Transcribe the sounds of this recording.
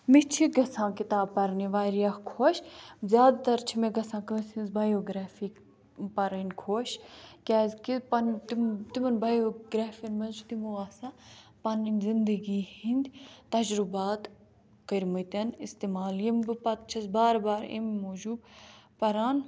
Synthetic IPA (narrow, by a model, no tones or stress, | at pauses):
mit͡ʃʰiɡɐsãːkit̪aːbpɐɾniʋaːɾijɐxkʰoːʃzʲjaːd̪t̪ɐɾt͡ʃʰimẽɡɐsãːkəsinzbaːjoːɡɾaːfiː | pɐɾənkʰoːʃkʲaːzkipɐnt̪imt̪imɐnbaːjoːɡɾaːfinmɐzd͡ʒut̪imuaːsaːpɐninzɪnd̪əɡiːhind̪ʲt̪ɐd͡ʒɾubaːt̪ | kɐɾʲmɐt̪ɐnist̪eːmaːljɐmbɨpɐt̪̚t͡ʃʰɐsbaːɾbaːɾḭmmoːd͡ʒuːbpɐɾaːn